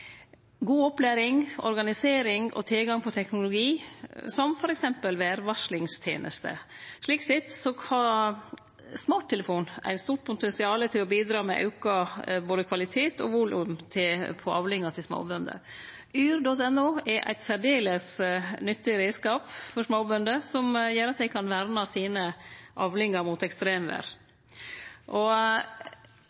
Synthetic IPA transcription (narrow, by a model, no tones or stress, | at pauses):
ɡuːɔplæːɾɪŋɔ̰ɾɡɑnɪseːɾɪŋʔɔ̰t̪ʰɪlɡɑŋpʰɔt̪ʰɛknʊlʊɡiːsɔmfɔɾɛksɛmpəlʋæːɾʋɑʂlɪŋst̪ʰjḛːnʔə̰st̪ʰə̰ʂɭiːksɪt̪sɔkʰɑ | smɑːʈt̪ʰːɛləfuːnæ̰ɪst̪uːʈ̚pʰʊt̪ɛnsɪɑːlət̪ʰɪlɔbiːd̪ɾɑːmɛ̰ʔɑ̰ʉkɑboːd̪əkʰʋɑlɪt̪ʰeːt̪ɔ̰ʋʊlʉmt̪ʰɪpʰɔʔɑʋlɪŋːɑt̪ʰɪsmo̰ːbʉnd̪ə̰ | yːɾd̪ɔt̪ɛnːʊːɛɾʔæ̰ɪt̪sæɖeːləsnʏt̪ːɪɾeːskɑːpfɔʂmoːbʉnd̪əsɔmjeːɾɑt̪̚d̪æɪkʰɑnʋæɾmɑsiːnəʔɑʋlɪŋːɑɾmʊt̪ɛkst̪ɾeːmʋæ̰ːɾ | ʔɔ